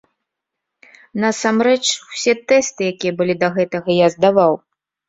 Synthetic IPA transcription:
nɐsamɾɛt͡ʂwsʲɛt̪ɛst̪ɨjakʲijɐbɨlʲid̪ɐɣɛt̪ɐɣɐjazd̪avaw

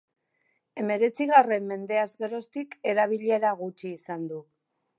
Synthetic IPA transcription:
e̞me̞ɾe̞t͡siɣ̞are̞mːe̞nd̪e̞azɣe̞ɾo̞st̪ike̞ɾaβ̞iʎe̞ɾaɣut͡ʃiːsand̪u

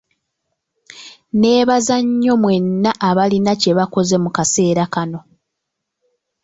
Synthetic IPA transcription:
ne̞ːβazaɲːo̞mwe̞nːaʔːβalinace̞βako̞ze̞mukase̞ːɾakano̞

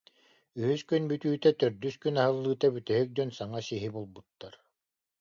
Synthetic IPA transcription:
yhyskynbyt̪yːt̪ɛt̪œɾd̪yskynaɦɯlˠːɯːt̪abyt̪ɛɦyk̚d̪œnsaŋasiɦibulˠbut̪ːaɾ

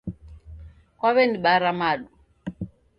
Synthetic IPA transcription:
kwaβɛniɓaɾamaɗu

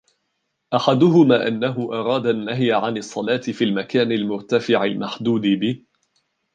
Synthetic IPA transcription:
ʔaħad̪ʊɦʊmaːʔanːaɦʊʔɑɾˤɑːd̪aʔnːaɦjʕanɑsˤːɑlɑːt̪ɪfiːlmakaːnalmʊɾt̪afɪʕɪlmaħd̪uːd̪ɪbɪh

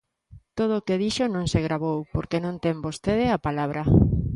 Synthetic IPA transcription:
t̪oð̞oːkeðiʃonõŋseɣ̞ɾaβowpoɾkenõnt̪embost̪eð̞eapalaβ̞ɾa

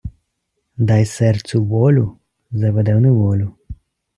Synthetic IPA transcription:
d̪ɑjsɛrt̪suʋɔlʲu | zɐʋɛd̪ɛwnɛʋɔlʲʊ

